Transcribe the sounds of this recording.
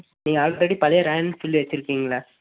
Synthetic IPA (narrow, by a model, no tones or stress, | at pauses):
niːŋɡɐaːlɾɛɽipɐlɐjɐɾɐjɐnsɪlːʋɐt͡ʃːɪɾɯkːiːŋɡɐɭa